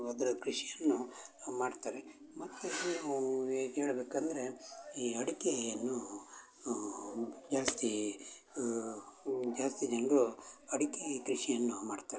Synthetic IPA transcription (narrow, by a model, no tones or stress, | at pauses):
ɐd̪ɐɾukɾiʂijɐnːumaːɖt̪aːɾe | mɐt̪ːu | ɦeːɭɐbeːkɐnd̪ɐɾe̞iːɐɽikɛjjɐnːu | d͡ʒaːst̪i | d͡ʒaːst̪id͡ʒɐnɐɡuɐɽikɛkɾiʂijɐnːumaːɖt̪aːɾe